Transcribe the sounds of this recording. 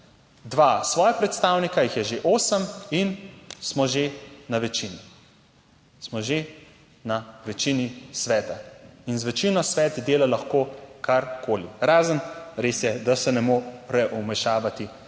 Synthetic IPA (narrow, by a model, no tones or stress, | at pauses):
d̪ʋasʋɔːjapɾɛt̪st̪awnikajixjɛʒeʔoːsəminsmɔʒenaʋɛt͡ʃini | smɔʒe | naʋɛt͡ʃinisʋɛːt̪ainzʋɛt͡ʃinɔsʋɛːt̪d̪eːlalaxkoːkaɾkʰoːliɾaːzənɾeːsjɛd̪asɛnɛmoɾɛʔumɛʃaːʋat̪i